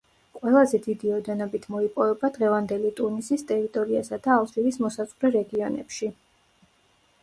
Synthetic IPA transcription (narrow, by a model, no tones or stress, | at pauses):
qʼwɛlˠazɛd̪id̪iɔd̪ɛnɔbit̪ʰmɔipʼɔvɛbad̪ʁɛvand̪ɛlit̪ʼuɾnisist̪ʼɛɾit̪ʼɔɾiasad̪̥aːlˠt̪ʼɾivismɔsaz̥ʼʁɾɛɾɛɡiɔnɛ̰pʃi